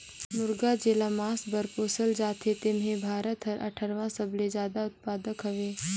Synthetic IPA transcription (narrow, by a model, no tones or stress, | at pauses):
mʊɾɡad͡ʒeːlamaːsbəɾpoːsəld͡ʒaːt̪et̪emɦẽbʱaːɾət̪ɦɐɾʔɐ̰ʈʰəɾʋãsɐblezjaːd̪aʊt̪̚paːd̪əkɦɐʋeː